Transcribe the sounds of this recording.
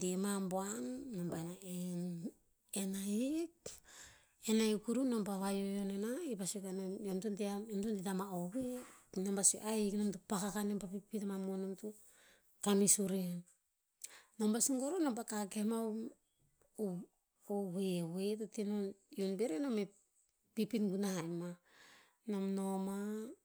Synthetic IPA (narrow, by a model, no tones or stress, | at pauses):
tiemamboanːombanaen | enaik̚ | enajkuɾunombaβajojonenaipasokanomtuntiaomtuntitamaowenombaso̰ʔajknomtupakakanempapipitamamonomtu | kamisuɾean | nombasiŋɡoɾonompakaɡema | owewetotinonjonbeɾenome | pipinɡunajma | nomnoma